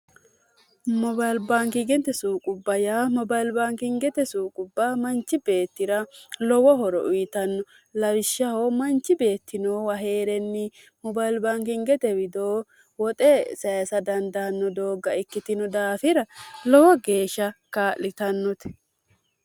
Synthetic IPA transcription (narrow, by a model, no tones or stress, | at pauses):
mɔbɐjlbaːŋkɪɡɛnt̪ɛsuːkʼʊbːɐjamɔbɐjlbaːŋkɪŋɡɛt̪ɛsuːkʼʊbːamɐnt͡ʃːɪbe̞ːt̪ːɪɾɐlɔwɔɦɔɾɔ̰ʔʊjɪt̪ɐnːɔ | lɐwɪʃːɐhoːmɐnt͡ʃːɪbe̞ːt̪ʰːɪnoːwɐɦe̞ːɾɛnːɪ | mɔbajlbaːŋkɪŋɡɛt̪ɛwɪd̪oː | wɔt̪ʼɛsɐjɐsɐd̪ɐnd̪anːɔd̪oːɡːɐɪkːɪt̪ɪnɔd̪aːfɪɾɐlɔwɐɡe̞ːʃːɐkaːʔlɪt̪ɐnːɔt̪ɛ̥